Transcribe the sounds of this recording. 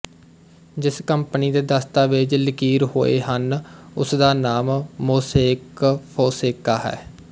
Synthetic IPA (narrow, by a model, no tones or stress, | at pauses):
d͡ʒɪskəmpəniːd̪eːd̪əst̪aːʋɪt͡ʃləkiːɾɦo̰ːḛːɦənʊsd̪aːnaːmːoːseːkpʰoːseːkaːɦɛ̰ː